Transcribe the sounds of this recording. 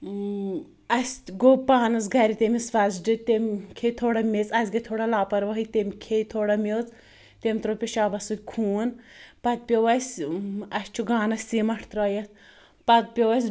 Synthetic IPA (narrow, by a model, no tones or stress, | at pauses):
ɐsʲɡopaːnɨsɡɐɾit̪ʲemʲisʋɐzɖɨt̪emʲkʰet̪ʰoːɽamʲet͡sɐsɡɐt̪ʰoːɽalaːpɐɾʋɐɦɨt̪emʲkʰejt̪ʰoːɽɐmʲewt͡s | t̪ʲemʲt̪ɾopʲeʃaːbɐsut̪ʲkʰuːnpɐt̪̚pʲeʋɐsʲɐsʲt͡ʃʰuɡaːnɐsʲsimɐʈʰt̪ɾɐːjɐt̪ | pɐt̪̚pʲeʋɐsʲ